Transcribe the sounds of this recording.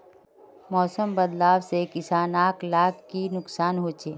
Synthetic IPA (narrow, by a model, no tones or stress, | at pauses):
mɔːsəmbəd̪laːʋsekɪsaːnaːklaːkːinʊksaːnɦoːt͡ʃeː